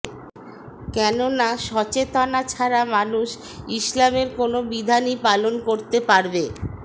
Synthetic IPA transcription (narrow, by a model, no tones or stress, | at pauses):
kɛnonaʃɔt͡ɕet̪anat͡ɕʰaɾamanuʃ | iʃlameɾkonobid̪ʱanipalonkoɾt̪epaɾbe